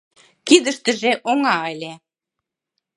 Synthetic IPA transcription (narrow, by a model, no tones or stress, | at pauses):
kid̪ə̆ʃt̪ə̆ʒeʔoŋɑelʲe